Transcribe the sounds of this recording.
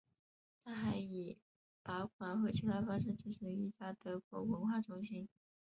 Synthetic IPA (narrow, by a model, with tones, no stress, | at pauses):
t̪ʰa˥xa˧˥ɪi˨˩ | pa˧˥ʊkʰwa˨˩nxɤ˧˥˩t͡ɕʰi˥t̪ʰa˥˩ɪfɑ˥ŋʂ̬ɻ̩˥˩ʈ͡ʂ̩˥˩ʂ̩˧˥˩i˥˩t͡ɕja˥t̪ɤ˧˥kwɔ̰˧˥wə˧˥nxwa˥˩ʈ͡ʂʰʊ˧˥ŋɕi˥n